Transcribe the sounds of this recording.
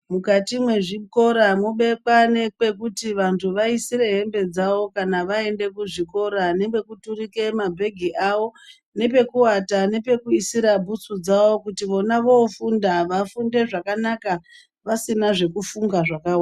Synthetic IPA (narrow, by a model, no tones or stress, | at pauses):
mukatimwe̞ʐiko̞ɾamoɓe̞kane̞k͡pe̞k̬utiʋantʰuʋaisiɾe̞ɦe̞mbe̞d͡zawo̞kanaʋae̞nde̞kuʐiko̞ɾane̞ke̞kuturike̞mabʱe̞ɡʱiʔaʋo̞ | ne̞pe̞kuatane̞pe̞kuisiɾabʱut͡sud͡zawo̞kutiʋo̞naʋo̞fundaʋafunde̞ʐakanaka | ʋasinaʐe̞kufuŋɡaʐakawaa